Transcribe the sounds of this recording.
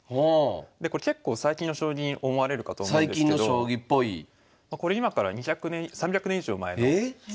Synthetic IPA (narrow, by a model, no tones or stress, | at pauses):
hod̪eko̞ɾeke̞kːo̞ːsaikʲĩnːo̞ɕo̞ːɡʲiɲʔo̞mo̞aɾe̞ɾɯ̟kat̪o̞ːmõaid̪kʲĩ̥neːodoɕoːɡʲipːo̞i | mako̞ɾe̞imakaɾa̰ɲ̟içakɯ̟nẽsãmbʲjakɯ̟nẽiʑo̞ːma̰e̞noe